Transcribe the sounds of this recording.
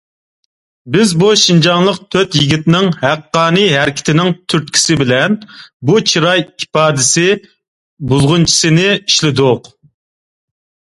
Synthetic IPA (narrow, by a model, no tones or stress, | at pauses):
bɪzbuʃind͡ʒɑŋlˠəq̚t̪ʰøt̪jiɡʲit̪nɪŋhæqːɑːnɨɦɛɾɪkʲʰɪ̥t̪ʰɪnɪŋt̪ʰyɾt̪̚kʲʰi̥sɪbɪlɛnbut͡ʃʰiɾɑjipɑːd̪ɪsɪ | bulˠʁʊnt͡ʃʰi̥sɨnɪiʃlɪd̪ʊq